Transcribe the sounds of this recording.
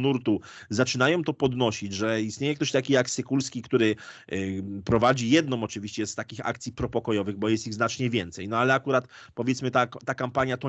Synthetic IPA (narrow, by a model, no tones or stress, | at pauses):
nuɾt̪u | zat͡ʂɘnajɔ̃w̃t̪ɔpɔd̪nɔɕid͡ʑʐɛist̪ɲejɛkt̪ɔɕt̪akʲijaksɘkulskʲikt̪uɾɘ | pɾɔvad͡ʑijɛd̪nɔ̃mɔt͡ʂɘvʲiɕt͡ɕɛst̪akʲixa̰kt̪sʲipɾɔpɔkɔjɔvɘɣbɔjɛst̪iɣznat͡ʂɲɛvʲjɛnt̪sɛjnɔalɛakuɾat̪ | pɔvʲɛt̪smɘt̪aːakampaɲjat̪ɔ